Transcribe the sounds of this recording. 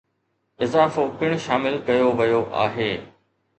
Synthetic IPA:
ɪzaːfopɪɽ̃ʊ̆ʃaːmɪlkɐjoʋɐjoʔa̰ːɦeː

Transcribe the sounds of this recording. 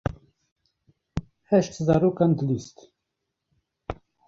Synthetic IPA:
hɛʃt̪zɑːɾoːkɑnd̪əlist̪

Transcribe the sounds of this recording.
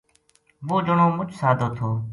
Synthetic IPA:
ʋoːd͡ʒəɳõːmʊt͡ʃʰsaːd̪ʱoːt̪ʰoː

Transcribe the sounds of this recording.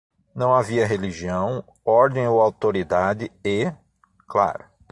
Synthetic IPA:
nɐ̃w̃aviɐɦeliʒiɐ̃w̃ | ɔɾd̪ẽj̃owawt̪oɾid̪ad̪ɪe | kla̰ɾʊ

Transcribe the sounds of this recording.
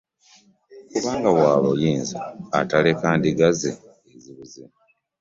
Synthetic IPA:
kuβaːŋɡawaːβojiːnza̰ːtalekaːndiɡaze | eziβuzima

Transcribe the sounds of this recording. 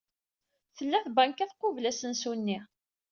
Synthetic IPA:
θəlːæθbæŋkæθqːʊvlæsənsunːiʁ

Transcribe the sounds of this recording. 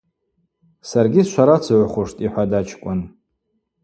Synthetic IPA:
sarɡʲisʃʷaɾat͡sʰaʕʷχʷʊʂtʼiħʷadat͡ʃʰkʷʼan

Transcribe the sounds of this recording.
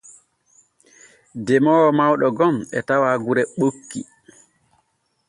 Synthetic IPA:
dɛmɔːwmawɗɔɡɔmɛ̰tawaɡuɾɛɓokːḭ

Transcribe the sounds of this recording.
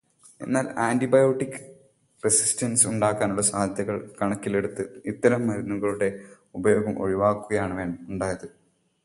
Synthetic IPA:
e̞̰nːaːlaːndibɐjo̞ːʈːikːɨ̥ | resi̥stɐnsuɳɖaːkːaːnuɭːɐsaːd̪ʱjɐɣɐɭkɐɳɐkːile̞ɽut̪ːɨit̪ːɐɾɐmːɐɾunːuɣɐɭuɽe̞ | ubɐjo̞ːɡɐmʔo̞̰ɻiʋaːkːuɣɐjaːɳɨʋeːɳuɳɖaːjɐðɨ

